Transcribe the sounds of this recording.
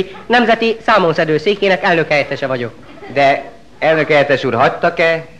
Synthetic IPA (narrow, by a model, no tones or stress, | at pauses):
nɛmzɛt̪isaːmonsɛd̪øːseːkeːnɛkɛlnø̞khɛjɛt̪ɛʃɛvɒɟo̞k̚ | d̪ɛ | ɛlnøkɛjɛt̪ɛʃuːrɦɒct̪ːɒkɛ